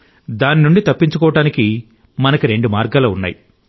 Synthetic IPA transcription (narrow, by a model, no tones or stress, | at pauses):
d̪aːninuɳɖit̪ɐpːiɲt͡ʃukɔːʋɐʈaːniki | mɐnɐkiɾe̞ɳɖumaːɾɡaːlɐːunːa̰ːji